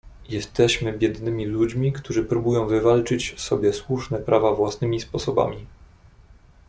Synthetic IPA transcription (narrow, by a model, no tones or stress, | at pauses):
jɛst̪ɛɕmɘbʲjɛd̪nɘmʲilud͡ʑmʲikt̪uʐɘpɾubujɔ̃w̃vɘvalt͡ʂɘt͡ɕsɔbʲjɛswuʂnɛpɾʔavavwasnɘmʲispɔsɔba̰mʲi